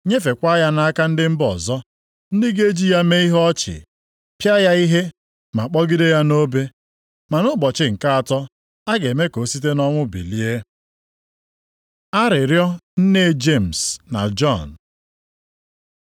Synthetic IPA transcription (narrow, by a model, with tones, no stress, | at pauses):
ɲe˦fe˨kʷa˦ja˦na˦a˦ka˦n̩˦dɪ˦m̩˦bɔ˨zɔ˦ | n̩˦dɪ˦ɡe˦d͡ʒi˦ja˦me˦i˦ɦɔ˦t͡ʃɪ̰˨ | pja˦ja˦i˦ɦe˦ | ma˨k͡pɔ˦ɡi˦de˦ja˦no˦be˦ | ma˨nʊ˦bɔ˨t͡ʃɪ˨ŋ̩˨ka˦a˨tɔ˦ | a˦ɡe˨me˦ko˨˦si˦t̬e˦nɔ˦ŋʷʊ˦bḭ˨li˦e˦ | a˦ɾɪ˨ɾjɔ˦n̩˦ne˦˨d͡ʒe˦˨m̩˨sna̰˨d͡ʒɔ˦˨n˨